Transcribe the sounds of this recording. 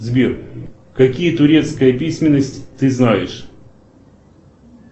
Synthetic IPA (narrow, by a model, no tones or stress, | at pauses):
zʲbʲir | kɐkʲijət̪ʊɾʲe̞t̪skəjəpʲisʲmʲɪnːəsʲtʲt̪ɨznajɪʂ